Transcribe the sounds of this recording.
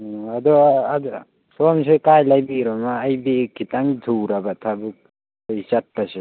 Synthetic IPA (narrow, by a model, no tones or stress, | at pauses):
ad̪ɔd | sɔmsekajlajbiɾɔmaːjbekːitaŋdʰʱuwɾabatʰabuk̚ | ɯjsat̚pase